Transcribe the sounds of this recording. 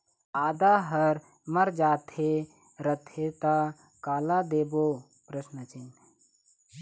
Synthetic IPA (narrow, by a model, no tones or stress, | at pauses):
aːd̪aːɦɐɾ | məɾd͡ʒaːt̪ʰe | ɾɐt̪ʰet̪a | kaːlad̪eːboː | pɾəsnət͡ʃɪn